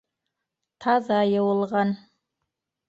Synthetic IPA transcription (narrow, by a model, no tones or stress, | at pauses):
t̪ʰɑzajɑwəlˠʁɑn